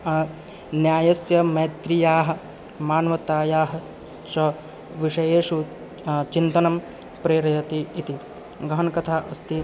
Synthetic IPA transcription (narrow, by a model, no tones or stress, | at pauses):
njaːjɐsjɐmɐjɐt̪ɾijaːɦɐ̆ | maːnɐʋɐt̪aːjaːɦɐ | t͡ʃɐ | ʋiʂɐjeːʂu | t͡ʃint̪ɐnɐm | pɾeːɾɐjɐt̪iːt̪i | ɡɐɦɐnɐkɐt̪ʰaːʔɐst̪i